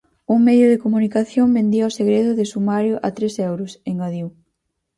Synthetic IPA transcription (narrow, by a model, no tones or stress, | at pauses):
uŋmeðjʊðekomunikaθjombend̪iaoseɣɾeðʊðɪsumaɾjoʔat̪ɾesɛwɾʊseŋɡoðiw